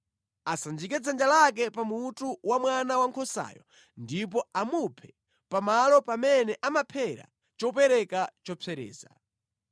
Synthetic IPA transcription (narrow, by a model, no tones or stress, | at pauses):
asand͡ʒikɛd͡zand͡ʒalak̬ɛpamutuwamwanawaŋkʰɔsa̰ːjɔ | ndipɔamupʰɛ̥ | pamalɔpamɛnɛʔamapʰɛɾa̰ | t͡ʃɔpɛɾɛkat͡ʃɔpʰɛɾɛ̰ːza̰